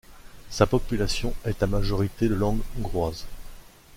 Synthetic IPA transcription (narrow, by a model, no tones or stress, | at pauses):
sapɔpylasjɔ̃ɛt̪amaʒɔʁit̪ed̪əlɑ̃ɡɔ̃ɡʁwaz